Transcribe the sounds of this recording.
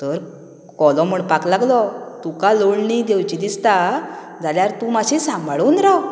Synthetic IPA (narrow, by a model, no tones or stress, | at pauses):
t̪əɾ | kɔlɔ̃m̤əɳpaklaɡlɔt̪ukaloɭɳid̪ewt͡ɕid̪ist̪a | d͡zaljaɾt̪ũmaɕisãmbʱɭonɾaw